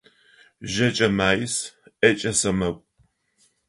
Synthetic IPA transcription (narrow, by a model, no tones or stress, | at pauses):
ʒɐt͡ʃʼɐmaːjɪsʔɐt͡ʃʼɐsɐmɐkʷʼ